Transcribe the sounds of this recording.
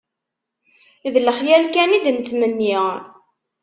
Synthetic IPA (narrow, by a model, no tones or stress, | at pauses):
iðləχjælkænid̪mət͡sːmənːi